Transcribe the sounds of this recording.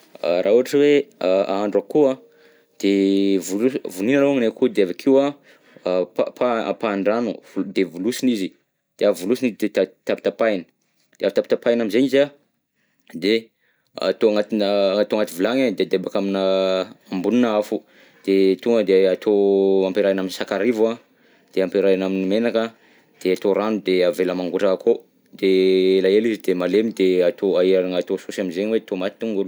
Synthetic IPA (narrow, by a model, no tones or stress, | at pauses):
rʔauaʈ͡ʂəweaaɳɖ͡ʐakua | d̪̥evuuvuninaloaŋnakud̪eavakʰiwa | papʰaa̰paɳɖ͡ʐanuvud̪evulusinizi | d̪̥eavulusinizd̪et̪at̪api̥t̪apajnə̥ | d̪̥eaft̪apit̪apajnaminzeniza | d̪e | a̰t̪oaŋat̪inəat̪oaŋat̪ivilaŋad̪ead̪ebakaminəambuninəafu | d̪̥et̪uŋɡəd̪eat̪ʰoampeɾajanaminsakaɾivua | d̪̥eampeɾajanaminimenakə | d̪̥eat̪oɾanud̪eaveləmaŋɡuʈ͡ʂakakʰo | d̪̥elaelizid̪emalemid̪eat̪oaaɾaŋat̪osusaminzeɲiwet̪omat̪i̥t̪uŋŋɡul